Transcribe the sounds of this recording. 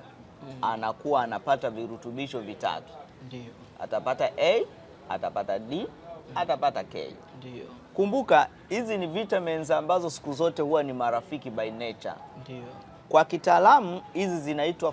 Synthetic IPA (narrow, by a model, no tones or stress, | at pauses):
anakuwaːnapataviɾutuɓiʃɔvita̰tu̥ | a̰tapataʔɛ | a̰tapataɗiatapatakɛ̰i | kumbuka | hizinivitamɛnzambazɔsi̥kuzɔtɛhuwanimaɾafikiɓainɛt͡ʃa̰ | kwakitaːlamuhizizinaitwa